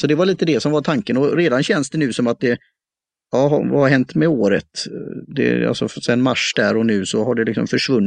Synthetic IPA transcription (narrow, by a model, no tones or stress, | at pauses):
sɔd̪ɛvaɭiːt̪əd̪ɛsɔmvat̪ʰaŋkənɔɾeːd̪anɕɛnsd̪ɛnʉ̟ːsɔmat̪̚d̪ɛ | ɑːɦvahaɾɦɛnt̪mɛoːɾə̰t̪d̪ɛ̰a̰lsɔfsɛɛnmaʂd̪æɾɔnʉ̟ːsɔɦaɖɛlɪksɔ̰mfœʂvɵnː